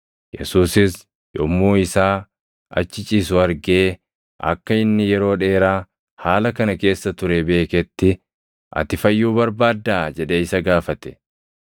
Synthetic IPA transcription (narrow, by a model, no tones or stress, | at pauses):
jɛ̰suːsɪs | jɔmːoːɪsaː | ɐ̰t͡ʃːɪt͡ʃʼiːsʊɐɾɡe̞ː | ʔɐ̰kːɐɪnːɪjɛɾo̞ːᶑe̞ːɾaː | haːlɐkɐnɐke̞ːsːɐt̪ʊɾebe̞ːkɛt̪ːɪ | ʔɐ̰t̪ɪfɐjːuːbɐɾbaːd̪ːaːd͡ʒɛᶑeːɪsɐɡaːfɐt̪ɛ̥